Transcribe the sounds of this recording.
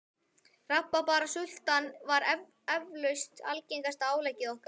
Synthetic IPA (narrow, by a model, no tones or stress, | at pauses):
rapːapaːɾasʏl̥t̪anvaɾ | ɛvlœɥst̪a̰lcejŋkast̪aaːwlɛcːɪðɔhka